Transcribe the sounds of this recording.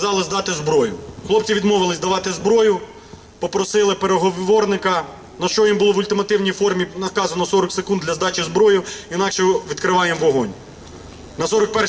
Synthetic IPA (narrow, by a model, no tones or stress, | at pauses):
zɑlˠɪzd̪ɑt̪ɪzbɾɔjʊxlˠɔp̚t͡sʲiʋʲid̪mɔʋɪlˠɪzʲd̪ɐʋɑt̪ɪzbɾɔjʊ | pɔpɾɔsɪlˠɪpeɾeɦɔʋʋɔrnɪkɐ | nɐʃt͡ʃɔjimbʊlˠɔʋʊlʲt̪ɪmɐt̪ɪwnʲijfɔrmʲinɐkɑzɐnɔsɔɾɔksekund̪lʲɐzd̪ɑt͡ʃizbɾɔjʊinɑkʃɛʋʲid̪kɾɪʋɑjɛmʋɔɦɔnʲ | nɐsɔɾɔk̚pɛ